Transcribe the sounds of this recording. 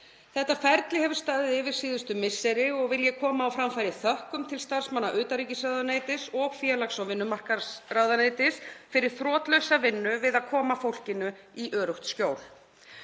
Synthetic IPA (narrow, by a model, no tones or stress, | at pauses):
θɛht̪afaɾt̪lɪhɛvʏ̥ɾ̥st̪aːðɪðɪːvɪɾ̥siːðʏst̪ʏmɪsːɛɾɪɔɣvɪljɛkʰɔːmaːwfɾamfajɾɪθœhkʏmt̪ʰɪlst̪aɾ̥smanːaʔʏːt̪aɾicɪsrawðaneːjt̪ɪsɔɣfjɛlaksɔwvɪnːʏmar̥karawðaneːjt̪ɪsfɪɾɪɾ̥θɾɔːt̪lœɥsavɪnːʏvɪðaðkʰɔːmafowl̥cɪnʏ | iʔœːɾʏht̪scoːwl̥